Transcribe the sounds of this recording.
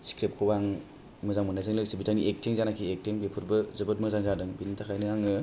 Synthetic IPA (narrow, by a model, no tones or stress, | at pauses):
skɾep̚kʰɯwaŋ | mɯzaŋmɯnajzɯŋlɯk̚sibitʰaniʔek̚tʰiŋzanakʰiek̚tiŋbepʰɯɾbɯzɯbɯt̚mɯzaŋzadɯŋbinitʰakʰajnɯŋaŋɯ